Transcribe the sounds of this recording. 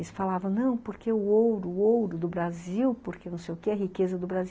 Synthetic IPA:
ɪsfalavɐ̃w̃nɐ̃w̃poɾkeʊowɾʊowɾʊd̪ʊbɾaziwpoɾkenɐ̃w̃sejʊkeɛɦikezɐd̪ʊbɾazi

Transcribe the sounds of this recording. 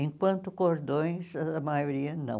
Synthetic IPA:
ẽŋkwɐ̃nt̪ʊkoɾd̪õj̃sɐmajoɾiɐnɐ̰̃w̃

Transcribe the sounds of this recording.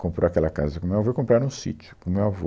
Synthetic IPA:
kõpɾoakɛlɐkazɐkõmewavoikõmpɾaɾũsḭt͡ʃʊ̥kõmewavo̰

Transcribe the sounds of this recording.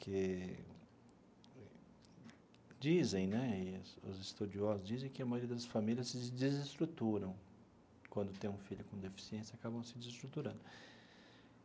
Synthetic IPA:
kʰe | d͡ʒizẽj̃nɛɪsʊ̰zɪst̪ud͡ʒiɔzʊzd͡ʒizẽj̃kɪɐmajoɾiɐd̪ɐsfamilʲiɐsɪd͡ʒizist̪ɾut̪uɾɐ̃w̃ | kwɐ̃nd̪ʊt̪ẽj̃ũfiʎʊkõd̪efi̥siẽsjɐakabɐ̃w̃sɪd͡ʒzist̪ɾut̪uɾɐ̃nd̪ʊ

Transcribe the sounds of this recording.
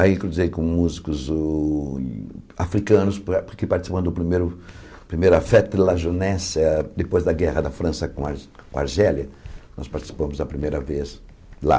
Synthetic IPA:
aĩt̪ɾõd̪uzejkõmuzikʊz | afɾikɐ̃nʊspɾkɪpaɾt͡ʃ̪isi̥pɐ̃nd̪ʊʊpɾimejɾʊ | pɾimejɾʊafɛt̪laʒonɛsɐd̪epojzd̪ɐɡɛʁɐd̪ɐfɾɐ̃sɐkõkõa̰ɾʒɛljɐnɔspaɾt͡ʃ̪i̥si̥pɐ̃mʊzd̪ɐpɾimejɾɐvez | la̰

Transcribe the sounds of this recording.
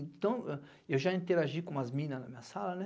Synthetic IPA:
ẽt̪ɐ̃w̃ɛ | ewʒaĩnt̪eɾaʒikõɐzmĩnɐznɐmĩɲɐsalɐnɛ

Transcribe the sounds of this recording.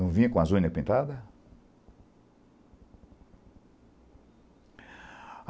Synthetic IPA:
ɐ̃w̃vĩɲɐkõɐzõɲɐpĩnt̪ad̪ɐ

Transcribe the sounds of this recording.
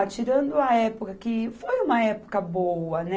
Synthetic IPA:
t͡ʃiɾɐ̃nd̪ʊɐɛpokɐkɪfojũmɐɛpo̥kɐbowɐnɛ

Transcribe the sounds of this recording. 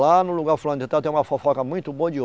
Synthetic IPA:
lanʊ̃luɡaɾfolɐ̃d̪ʊd͡ʒɪt̪ãwt̪ẽũmɐfofɔkɐmũj̃t̪ʊboɐd͡ʒio

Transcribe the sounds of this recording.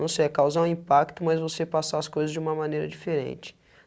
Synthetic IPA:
ɐ̃w̃sɪɛkawzaũĩpak̚t̪ʊmɐzvosepasaɐskojzɐzd͡ʒɪũmɐmɐ̃nejɾɐd͡ʒifeɾḛ̃nt͡ʃɪ̥

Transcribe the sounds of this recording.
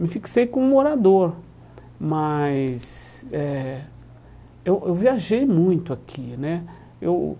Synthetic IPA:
mɪfiksejkõũmoɾad̪oɾ | mɐs | ɛ | ewʔewviaʒejmũj̃t̪ʊakʰinɛ | ew

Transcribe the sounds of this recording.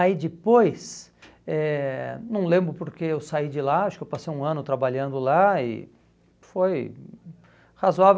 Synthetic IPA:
aid͡ʒɪpojs | ɛnɐ̃w̃lẽmbɾʊpoɾkeewsaid͡ʒɪlaaʃʊ̥kɪewpasejũɐ̃nʊt̪ɾabaʎɐ̃nd̪ʊlaɪ̰ | foj | hazoav

